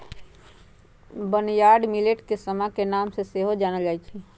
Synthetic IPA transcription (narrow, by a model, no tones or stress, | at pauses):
bənjaːɾɖmileʈkesəmakenaːmseseɦod͡ʒaːnəd͡ʒaːit͡ʃʰi